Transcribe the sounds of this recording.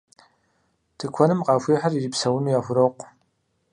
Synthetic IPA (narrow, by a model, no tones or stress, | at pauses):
tʰɨkʷʰɔnɨmqɑːfʷiːħariripsɐwʊnujaːxʷʊɾɐqʷ